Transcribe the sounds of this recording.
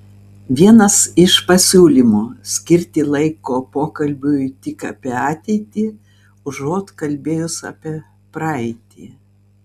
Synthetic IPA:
ʋʲiɛnɐsɪʃpɐsʲuːlʲimuːsʲkʲɪɾʲt̪ʲɪlˠɐɪkoːpoːkɐlʲbʲʊɪt̪ʲɪkɑ̰ːpʲiɑːt̪ʲɛɪt̪ʲiː | ʊʒoːt̪kɐlʲbʲeːjʊsɐ̰pʲiɛ | pɾɑɛɪt̪ʲḭː

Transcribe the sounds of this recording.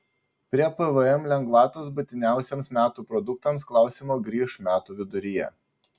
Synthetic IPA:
pʲɾʲiɛpɛʋəɛmlʲɛŋɡʋɑːt̪oːs̬bʊt̪ʲɪnʲæˑʊsʲɛmsmʲæːt̪uːpɾɔd̪ʊk̚t̪ɐmsklˠɑˑʊsʲiːmoːɡɾʲiːʃmʲæːt̪uːʋʲɪd̪ʊɾʲɪjɛ̰

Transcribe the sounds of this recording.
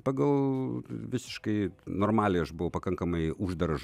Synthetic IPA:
pɐɡɐlˠʋʲɪsʲɪ̥ʃkɐɪnoːrmɑːlʲɛɪɐʃbʊʋɐʊpɐkɐŋkɐmɐɪʔuːʒd̪ɐɾɐʒ

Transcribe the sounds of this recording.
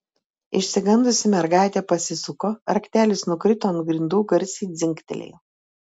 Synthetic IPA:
ɪʃʲsʲɪɡɐnd̪ʊsʲɪmʲɛɾɡɑˑɪt̪ʲeːpɐsʲɪsʊkoːɐɾkʲt̪ʲæːlʲɪsnʊkɾʲɪt̪oːɐnɡɾʲɪnd̪uːɡɐɾʲsʲiːd̪zʲɪŋʲkt̪ʲɛ̰lʲḛju

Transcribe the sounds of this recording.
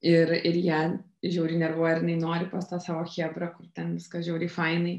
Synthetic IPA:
ɪɾɪɾjæː | ʒʲɛʊɾʲinʲɛrʋoːjɪɾjɪnɐɪnoːɾʲɪpɐst̪ɑːsɑːʋoːxʲeːbɾɐkʊrt̪ʲɛnʋʲɪskɐsʒʲɛʊɾʲɪːfɐɪnɐɪ

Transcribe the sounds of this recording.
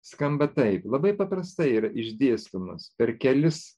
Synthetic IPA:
skɐmbɐt̪ɐɪplˠɐbɐɪpɐpɾɐst̪ɐɪiːɾɐʔɪʒʲd̪ʲiɛst̪ʊmɐspʲɛɾkʲɛlʲɪs

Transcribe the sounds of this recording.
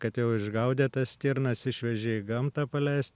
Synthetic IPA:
kɐt̪jɛʊɪʒɡɐʊd̪ʲeːt̪ɐst̪ʲiɾnɐsɪʃʲʋʲɛʒʲeiɡɐmt̪ɑːpɐlʲæɪsʲt̪̚ʲ

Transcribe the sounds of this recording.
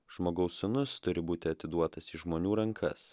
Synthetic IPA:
ʒ̥moːɡɐʊsʊnʊst̪ʊɾʲɪbuːt̪ʲɪɐt̪ʲɪd̪uɔt̪ɐsiʒmoːnʲuːɾɐŋkʰɐs

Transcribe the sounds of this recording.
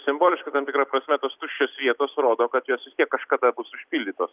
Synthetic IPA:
sʲɪmboːlʲɪʃkɐt̪ɐmt̪ʲɪkɾɐpɾɐsʲmʲɛt̪oːst̪ʊʃʲt͡ʃʲoːsʋʲiɛt̪oːsɾoːd̪oːkɐt̪joːsʋʲɪst̪iɛkːɐʃkɑd̪ɑːbʊsʊʃʲpʲilʲd̪ʲit̪oːs

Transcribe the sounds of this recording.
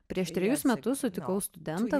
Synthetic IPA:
pʲɾʲiɛʃt̪ʲɾʲɛjʊsmʲɛt̪ʊssʊt̪ʲɪkɐʊst̪ʊd̪ʲɛnt̪ɑ

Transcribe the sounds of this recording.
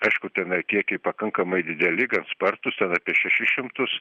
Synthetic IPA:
ɐɪʃkʊt̪ʲɛnɐɪkʲiɛkʲɛɪpɐkɐŋkɐmɐɪd̪ʲɪd̪ʲɛlʲɪɡɐnspɐrt̪ʊst̪ʲɛnɑːpʲiɛʃʲɛʃʲɪʃʲɪmt̪ʊs

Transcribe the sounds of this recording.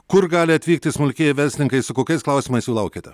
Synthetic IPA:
kʊɾɡɑːlʲɪɐt̪ʲʋʲiːk̚t̪ʲɪsmʊlʲkʲiːjɪʋʲɛɾʲsʲɪnʲɪŋkɐɪsʊkoːkʲɐɪsklˠɐˑʊsʲiːmɐɪsjuːlˠɐʊkʲet̪ʲɛ

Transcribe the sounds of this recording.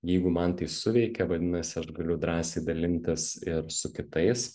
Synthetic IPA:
jɛɪɡʊmɐnt̪ɐɪsʊʋʲɛɪkʲɛʋɐd̪ʲɪnɐsʲɪɐʃɡɐlʲʊd̪ɾɑːsʲeɪd̪ɐlʲɪnʲt̪ʲɪsɪɾsʊkʲɪt̪ɐɪs

